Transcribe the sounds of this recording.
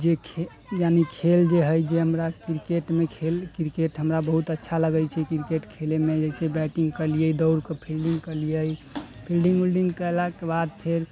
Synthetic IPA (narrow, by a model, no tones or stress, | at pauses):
d͡ʒekʰe | janikʰeld͡ʒeɦəjd͡ʒeɦəmɾakiɾikeʈmekʰelkɾikeʈɦəmɾabəɦut̪ətːʃʰaləɡəjt͡ʃʰɛkiɾikeʈkʰelemed͡ʒesebɛkiŋɡkəliəjd̪əwɾkepʰilɖiŋɡkəlijəjpʰilɖiŋɡulɖiŋkəelakebad̪̚pʰeɾ